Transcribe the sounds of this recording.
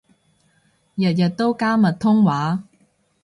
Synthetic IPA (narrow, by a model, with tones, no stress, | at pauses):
jə˨jə˨t̪ːo˦wka˥mə˨t̪ʰʊ˥ŋwa˨˦